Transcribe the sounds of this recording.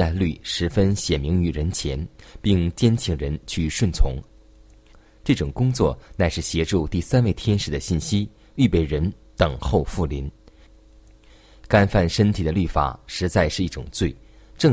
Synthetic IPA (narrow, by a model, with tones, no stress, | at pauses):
a˥˧ly˥˩ʂɻ̩˧˥fə˥nɕjɛ˨˩nmi˧˥ŋy˧˥ɻə˧˥nt͡ɕʰjɛ˧˥npi˥˧ŋt͡ɕjɛ˥nt͡ɕʰi˧˩ŋɻə˧˥nt͡ɕʰy˥˧ʂwə˥˩nt͡sʰʊ̰˧˥ŋ | ʈ͡ʂɤ˥˩ʈ͡ʂʊ˨˩ŋkʊ˥ŋt͡swɔ˥˩na˧˥ɪʂɻ̩˥˩ɕjɛ˧˥ʈ͡ʂu˥˧t̪i˥˩sa˥nwe˥˩ɪt̪ʰjɛ˥nʂɻ̩˧˥d̪ə˧ɕi˥˩nɕi˥ | y˥˧pe˥˩ɪɻə˧˥n | t̪ɤ˨˩ŋxo˥˧ʊfu˥˩li˧˥n | ka˥nfa˥˩nʂə˥nt̪ʰi˨˩d̪ə˦ly˥˩fa̰˨˩˦ʂɻ̩˧˥t͡sa˥˧ɪʂɻ̩˥˧i˥˩ʈ͡ʂʊ˨˩ŋt͡swe˥˩ɪ | ʈ͡ʂɤ˥˧